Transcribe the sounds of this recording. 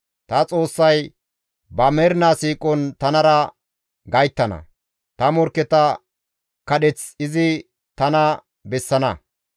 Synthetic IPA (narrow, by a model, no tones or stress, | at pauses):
t̪ɐt͡sʼo̞ːsːɐj | bɐmɛɾnasiːkʼɔnt̪ɐnɐɾɐ | ɡɐjt̪ːɐnɐ̰ | t̪ɐmɔɾkːɛt̪ɐ | kɐɗɛt͡sɪzɪ | t̪ɐnɐ | bɛsːɐnɐ